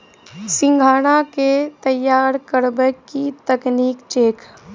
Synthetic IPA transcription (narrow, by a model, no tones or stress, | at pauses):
sɪ̃ŋɡʱaːɽ̃aket̪əjaːɾkəɾbəkːit̪əkniːkt͡ʃeːk